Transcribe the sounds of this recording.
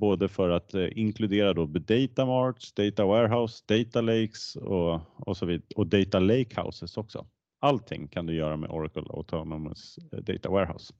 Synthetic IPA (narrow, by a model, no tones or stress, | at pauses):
boːd̪əfœɾat̪ɪŋkʰlɵd̪eːɾad̪oːbd̪ɛjt̪amɑːɾksd̪ɛjt̪awɛːɾɦaʊsd̪ɛjt̪alejksɔɔsɔviːd̪ɔd̪ɛjt̪alɛjkha̰ʊsəsɔksɔ̰ | alt̪ʰːɪ̰ŋːkʰand̪ɵjœːɾamḛʔɔ̰ɾakəla̰t̪ʰɔnɔm̰sd̪ɛ̰jt̪awɛ̰ːɾɦa̰ʊs